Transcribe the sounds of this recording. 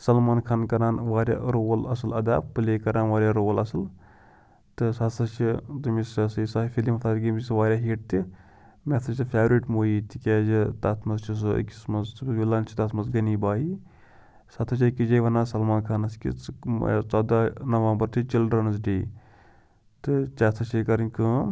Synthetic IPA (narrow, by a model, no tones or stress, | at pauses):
sɐlmaːnkʰankɐɾaːnʋaːɾʲja̰ːʔɾoːlɐsɨlɐd̪a̰ːb̚pɨleːkɐɾaːnʋaːɾʲjaːɾoːlɐsɨl | t̪ɨsɐt̪ʰɐt͡ʃʰit̪ɨmisɐsɐsafʲilimɐt̪ʰaːt͡ʃɡimʲisʋaːɾʲjaːɦiːʈ̚t̪i | mʲet̪ʰɐd͡ʒ̪ɨfʰʲaːʋɾiːʈmoːjiːt̪ikʲeːd͡ʒit̪at̪ʰmɐzt͡ʃʰis̬ɨḭkʲːi̥smɐzʋilaːnt͡ʃʰi̥t̪ɐt̪mɐzɡɐniːbaːi | sɐt̪ʰɐt͡ʃʰʲikʲːid͡ʒɐjʋɐnaːsɐlmaːnkʰaːnɐskʲḭ | t͡sɐd̪anɐʋaːmbɐɾt̪ʰit͡ʃilɖɾɐnɐzʈeː | t̪ɨt͡ʃɐt̪ʰɐt͡ʃikɐɾnʲkɨː